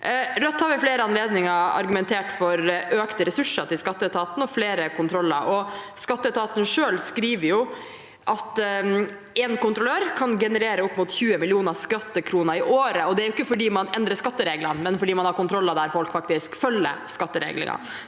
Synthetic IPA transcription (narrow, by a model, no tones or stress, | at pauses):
ɾœt̪ːhɑɾʋɪfleːɾəɑnleːd̪nɪŋɑɑ̰ɾɡʉmɛnt̪ʰeːʈfɔɾʔøːkt̪əɾɛsʉʂət̪ɪlskɑt̪ːət̪ʰɑːt̪n̩ɔfleːɾəkʊnt̪ʰɾɔlːə̰ɾɔskɑt̪ːət̪ɑːt̪n̩ʂøːlskɾiːʋəɾjʊ | ʔɑt̪ | ɛnkʊnt̪ɾʊløːɾkʰɑnɡɛnəɾeːɾəʊpːmuːt̪çʉːəmɪlɪuːnɑskɑt̪ːəkʰɾuːnəɾɪʔoːɾəɔd̪ɛæɾjʊɪkːəfɔɖiːmɑnɛnd̪ɾəʂkɑt̪ːəɾeːɡlənmɛnfɔɖiːmɑnhɑɾkʊnt̪ʰɾɔlːɑd̪æːɾfɔlkfɑk̚t̪ɪskfœlːə̰skɑt̪ːəɾḛːɡlɪ̰ŋɑ̰